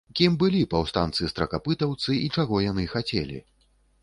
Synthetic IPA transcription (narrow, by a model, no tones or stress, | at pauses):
kʲimbɨlʲipɐwst̪ant̪sɨst̪ɾɐkapɨt̪ɐwt̪sɨit͡ʂaɣɔjanɨxat͡sʲɛ̰lʲḭ